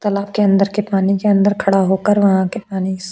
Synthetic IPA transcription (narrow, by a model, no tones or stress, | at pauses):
t̪ɐlaːb̚keɐ̃nd̪əɾkepaːnikeɐ̃nd̪əɾkʰɐɽaɦoːkəɾʋɐɦãkepaːni